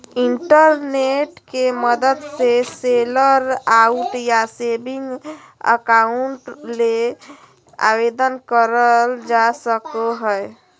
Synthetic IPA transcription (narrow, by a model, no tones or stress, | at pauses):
iɳʈəɾneʈkeməd̪əd̪seseləɾauʈjasebiŋɡ | ə̰kauɳʈle | a̰bed̪ənkəɾəld͡ʒasəkoɦəj